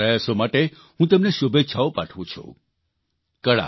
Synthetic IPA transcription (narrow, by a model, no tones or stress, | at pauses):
əjasomaʈe | ɦũt̪emneʃubʱet͡ʃʰaopaʈʰʋũt͡ʃʰṵ̃ | kəɭa̰